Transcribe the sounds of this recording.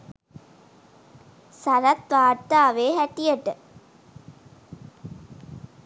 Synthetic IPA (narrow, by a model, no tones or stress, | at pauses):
saɾat̪ʋaːt̪ːaːʋeːɦæʈijəʈə